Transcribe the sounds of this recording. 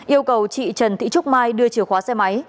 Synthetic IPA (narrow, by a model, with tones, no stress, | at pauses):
ʔi˧əwkə˨˩wt͡ɕḭ˧˨t͡ɕə˨˩nt̪ḭ˧˨t͡ɕʊ˦˥k͡p̚maː˧jɗɨ˧ət͡ɕɨ˧˩xwaː˨˦sɛ˧ma˨˦j